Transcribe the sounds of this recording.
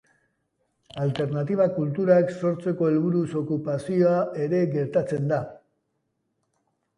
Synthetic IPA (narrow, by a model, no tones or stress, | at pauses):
alt̪e̞ɾnat̪iβ̞akult̪uɾakso̞ɾt͡se̞ko̞elβuɾuso̞kupasio̞ae̞ɾe̞ɡe̞ɾt̪at͡se̞nd̪a